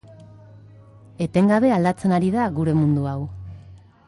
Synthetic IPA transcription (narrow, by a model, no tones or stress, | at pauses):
e̞t̪e̞ŋɡaβ̞e̞ald̪at͡se̞naɾiðaɣuɾe̞mund̪uaw